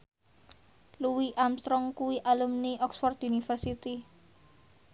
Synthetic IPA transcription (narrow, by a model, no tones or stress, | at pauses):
luwiʔamst̪ɾɔŋkuwiʔalumniʔɔksfɔrt̪unifərsit̪i